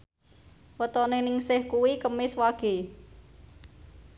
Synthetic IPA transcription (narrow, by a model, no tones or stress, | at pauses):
wət̪ɔnenɪŋsɪhkuwikəmɪswaɡ̥e̤